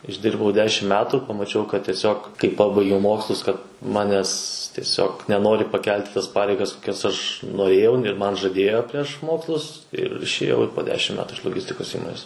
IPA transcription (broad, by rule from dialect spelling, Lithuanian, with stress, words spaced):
ɪʒʲˈdʲɪrbɐʊ ˈdʲæːʃʲɪm ˈmʲæːtʊ pɐmɐˈt͡ʃʲɛʊ kɐt tʲiɛˈsʲoːk kɐɪ ˈpɑːbɐɪɡʲɛʊ ˈmoːkslˠʊs kɐt ˈmɑːnʲɛs tʲiɛˈsʲoːk nʲɛˈnoːrʲɪ pɐˈkʲɛlʲtʲ ɪ tɐs ˈpɑːrʲɛɪɡɐs koːˈkʲɛs ɐʃ noːˈrʲeːjɛʊ ɪr ˈmɐn ʒɐˈdʲeːjoː pʲrʲiɛʃ ˈmoːkslˠʊs ɪr ɪʃʲeːˈjɛʊ poː ˈdʲæːʃʲɪm ˈmʲæːtʊ ɪʃ lˠoːˈɡʲɪsʲtʲɪkoːs ˈiːmoːnʲeːs